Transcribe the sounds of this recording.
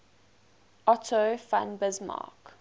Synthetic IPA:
ɔtʰofã̰nbɪzmɑ̰ːk

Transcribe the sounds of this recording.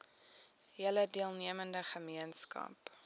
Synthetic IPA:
ɦiələdiəlˠniəməndəχəmiənskɐ̰p

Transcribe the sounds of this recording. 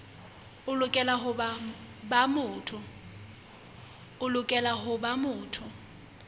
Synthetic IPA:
ʊlʊkʼɛlaɦʊbabamʊːtʰʊ | ʊlʊkʼɛlaɦʊbamʊːtʰʊ

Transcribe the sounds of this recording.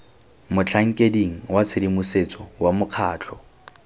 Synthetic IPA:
mʊt͡ɬʰaŋ̩kʼediŋ̩wat͡sʰɪdimuset͡sʼɔwamʊq͡χʰaːt͡ɬʰɔ

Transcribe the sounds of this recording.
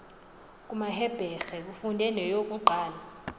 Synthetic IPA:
kʼumaɦɛb̥ʱɛxɛk̬ufundʱɛnɛjok̬ʼuǃaːla

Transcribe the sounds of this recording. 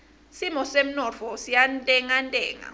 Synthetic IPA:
simɔsem̩nɔfɔsijantʼɛŋantʼɛːŋa̰

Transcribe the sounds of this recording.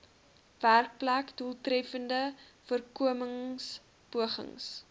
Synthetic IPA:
værk̚plækduəlˠtrɛfəndəfuərkuəməŋs | puəχə̰ŋs

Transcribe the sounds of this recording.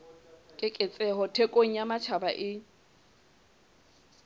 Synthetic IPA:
kʼɪkʼɪt͡sʼɛɦɔtʰekʼoŋ̩jamat͡ʃʰabaʔɪ

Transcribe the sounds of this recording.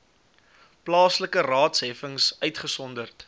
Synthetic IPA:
plɑːsləkərɑːtsɦɛfəŋsœɥtχəsɔndərt

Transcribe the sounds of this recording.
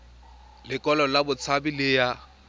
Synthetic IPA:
lɪkʼɔlɔlabʊt͡sʰabilɪja

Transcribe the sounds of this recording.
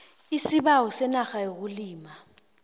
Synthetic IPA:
isiɓawɔsɛnaxajok̬uliːma

